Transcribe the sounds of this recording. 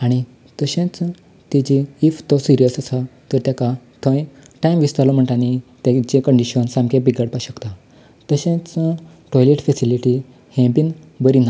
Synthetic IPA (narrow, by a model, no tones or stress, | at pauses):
aɽ̃i | t̪əɕẽt͡s | t̪id͡ʑiːft̪ɔsiɾijəsəsat̪əɾt̪jaka | t̪ʰə̃j | ʈajmʋist̪aɾlɔm̤əɳʈañit̪jat͡ɕẽkəɳɖiɕənsãmkẽbiɡəɽpaɕəkt̪a | t̪əɕẽt͡sə | ʈɔjleʈfesiliʈi | hẽbin | bəɾina